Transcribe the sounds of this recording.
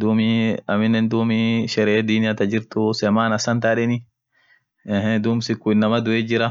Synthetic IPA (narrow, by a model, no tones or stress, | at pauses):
d̪uːmɪɐmɪnːɛnd̪uːmɪʃɛɾeːd̪iːnɪjɐt̪ɐd͡ʒɪɾt̪ʊsɛmaːnɐsɐnt̪aːᶑɛnɪ | ɛɦɛd̪uːmsɪkːʊɪnːɐmɐd̪ʊʔeːd͡ʒɪɾɐ